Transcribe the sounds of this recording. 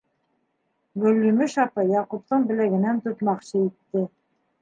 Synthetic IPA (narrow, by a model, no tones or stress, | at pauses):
ɡɵ̆lːymɘʃɑpɤjɑqup̚t̪ɤɴbɘ̆læɡɘ̆nænt̪ŭt̪mɑqɕɤit̪ːɘ